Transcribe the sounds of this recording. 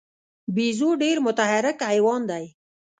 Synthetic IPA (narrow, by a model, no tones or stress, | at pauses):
bizoɖeɾmʊt̪ahaɾɪkajwɑnd̪aj